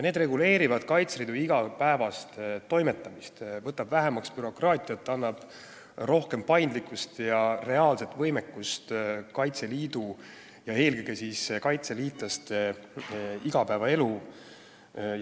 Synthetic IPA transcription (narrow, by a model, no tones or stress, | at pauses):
jne̞ːd̪re̞ɡule̞ːɾivɑd̪̥kɑjt̪sɾiːd̪uiɡ̥ɑpæevɑst̪t̪ːo̞jme̞t̪ˑːɑmist̪vɤt̪ːˑɑbvæɦemɑkspyɾo̞krɑːt̪ʲˑiɑt̪ːˑɑnːɑb̥ | ro̞hke̞mpɑjnd̪likːˑust̪jɑre̞ɑːlse̞t̪ːˑvɤjmekːˑust̪kɑjt̪se̞liːd̪u | jɑe̞ːlɡeɡ̥esiːskɑjt̪se̞liːt̪lɑst̪e | iɡ̥ɑpæevɑe̞lu